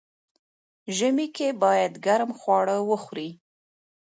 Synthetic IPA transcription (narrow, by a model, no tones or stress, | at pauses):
ʒəmikebɑjad̪ɡaɾmxwɑɽəwəxwɾi